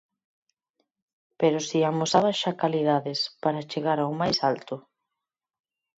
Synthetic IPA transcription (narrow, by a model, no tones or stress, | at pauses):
peɾʊsiamosaβaʃakalið̞aðɪspaɾat͡ʃeɣaɾawmajsalt̪ʊ